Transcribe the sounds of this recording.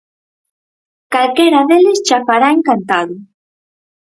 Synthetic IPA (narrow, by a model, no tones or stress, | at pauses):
kalkeɾaðelest͡ʃafaɾaeŋkant̪aðʊ